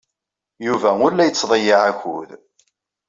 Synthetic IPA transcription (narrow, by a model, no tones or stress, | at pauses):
juvæʊɾlæjət͡sːðˤəjaʕæçṵð